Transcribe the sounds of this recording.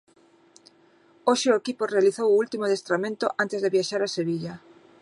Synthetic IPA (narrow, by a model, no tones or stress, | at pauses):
oʃɪʊekipʊrealiθowult̪imoðest̪ɾamẽnt̪ʊʔant̪ezðeβjaʃaɾaseβiʎa